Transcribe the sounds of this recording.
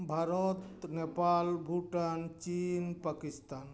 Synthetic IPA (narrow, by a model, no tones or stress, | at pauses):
bʱaɾɔt̪nepalbʱuʈant͡ʃinpakist̪an